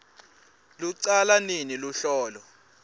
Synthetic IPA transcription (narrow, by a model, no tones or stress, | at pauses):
luǀalaniniluɬɔːlɔ